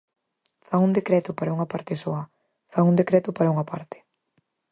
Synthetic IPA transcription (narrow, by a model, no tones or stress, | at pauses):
faŋund̪ekɾɛt̪ʊpaɾauŋɐpaɾt̪ɪsoɐ | faŋund̪ekɾɛt̪ʊpaɾɐuŋɐpa̰ɾt̪ɪ̥